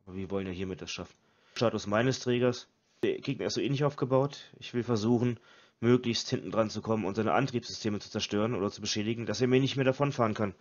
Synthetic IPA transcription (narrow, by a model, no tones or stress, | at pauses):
ʔʔaːbɐviːɐvɔlənviɐhiːɐmɪt̚d̥asʃafn̩ | ʃtaːtʊsmaɪnəstʁ̥ɛːɡɐs | ekʰɪtmiɪsz̥oːʔeːnɪçʔaʊfɡ̥əbaʊtʔɪçv̥ɪlfɛɐzuːχn̩ | møːklɪçsthɪntn̩dʁant͡sukʰɔmənʊ̰ntz̥aɪnə̰ʔa̰ntʁ̥iːpsz̥ʏstʰeːmət͡su̥t͡sɛɐʃtøːʁənʔo̰ːdɐt͡subəʃɛːdɪɡŋ̩d̥aseːɐmiːɐnɪçtmeːɐdafɔnfaːʁənkʰan